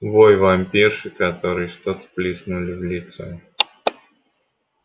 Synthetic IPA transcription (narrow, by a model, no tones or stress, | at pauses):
vojvamʲpʲirʂɨkɐt̪oɾɨjʂt̪ot̪plʲisnʊlʲɪvlʲit̪sɛ